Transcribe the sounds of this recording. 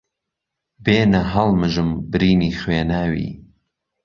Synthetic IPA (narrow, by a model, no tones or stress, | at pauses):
beːnɐɦɐlˠmɨʒɨmbɨɾiːniːχweːnaːwḭː